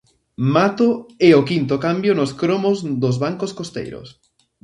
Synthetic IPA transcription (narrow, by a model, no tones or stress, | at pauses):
mat̪oɛʊkint̪okambjonʊskɾomozd̪ʊzβaŋkoskost̪ḛjɾʊ̰s